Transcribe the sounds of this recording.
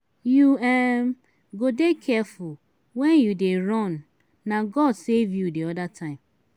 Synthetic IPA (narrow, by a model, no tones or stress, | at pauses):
juɛm | ɡodekʰɛfʊl | wɛnjudeɾɔnː | aɡɔdsevjudiɔdatʰãɪ̃m